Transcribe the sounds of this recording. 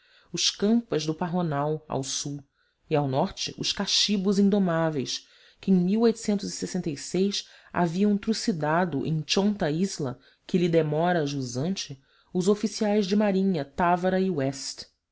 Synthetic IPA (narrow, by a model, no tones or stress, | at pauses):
ʊʃkɐ̃mpɐzd̪ʊpaɦonawa̰wsuw | iawnɔχt͡ʃɪ̰ʔʊʃkaʃibʊzĩd̪omavejs | kɪẽj̃miwojt̪ʊ̥sẽnt̪ʊzisesẽnt̪ejsejs | a̰viɐ̃w̃t̪ɾusid̪ad̪ʊʔḛ̃j̃t͡ʃõnt̪ɐizlɐ̰ | kɪlid̪emɔɾɐːʒuzɐ̃nt͡ʃɪ | ʊzofisiajzd͡ʒɪmaɾĩɲɐt̪avɐɾɐiwɛst̪